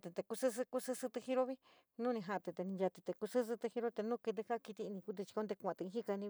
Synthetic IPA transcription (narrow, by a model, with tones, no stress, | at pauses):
t̪e˨t̪e˧ku˧sɨ˦s̬ɨ˧ku˦sɨ˦˧sɨ˧t̪ɨ˧hi˦˧ɾo˦βi˦ | nũ˦nĩ˧ɦã˧t̪e˧˨t̪e˧nĩ˧ja˧t̪i˧t̪e˨˧ku˧sɨ˦s̬ɨ˧t̪ɨ˧hi˧ɾo˦t̪e˧nũ˦˧ki˧t̪̬e˧ka˦˧ki˧t̪i˧nĩ˧ku˧˦t̪e˧t͡ʃi̥˧o˧˦nd̪e˧kʷã˨t̪e˧ĩ˧˦i˦ka˧nĩ˧